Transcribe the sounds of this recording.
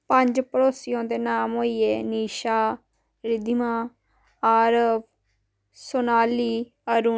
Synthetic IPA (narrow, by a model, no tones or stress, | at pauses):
pə̃ɲd͡ʒpəɾoːsɪjõːd̪eːnaːmɦoːiːeːniːʃaː | ɾɪd̪ʱɪmãː | aːɾəb | soːnaːliː | əɾuː